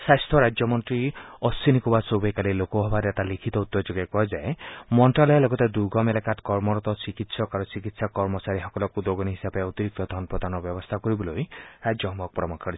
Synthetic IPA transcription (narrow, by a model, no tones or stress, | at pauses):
sast̪ʰɔɾad͡ʒjɔmɔnt̪ɾiɔsinikubasobekalelokɔɦɔbaɾet̪alikʰit̪ɔut̪ːɔd͡ʒoɡakɔɦɔd͡ʒaemɔɳʈɾalɔjɔlɔɡɔt̪ed̪uɡɔmelakat̪kɔɾmɔɾɔt̪ɔt͡ʃikit̪sɔkaɾɔt͡ʃikit̪sakɔɾmɔt͡ʃaɾiɦɔkɔlɔkud̪oɡɔniɦisabeut̪iɾik̚t̪ɔd̪ʱɔnpɔd̪anɔbjɔbɔst̪ʰakɔɾibɔlojɾad͡ʒjɔɦmɔk̚pɾɔmɔkʰɔɾi